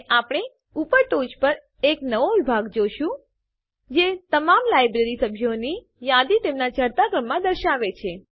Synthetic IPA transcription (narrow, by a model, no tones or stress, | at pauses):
apɽ̃e | upəɾʈod͡ʒpəɾ | eknəʋoʋɪbʱaɡd͡ʒoʃũ | d͡ʒet̪əmamlajbɾeɾisəbʱjoni | jad̪it̪emnad͡ʒəɾt̪akɾəmːãd̪əɾʃaʋet͡ʃʰe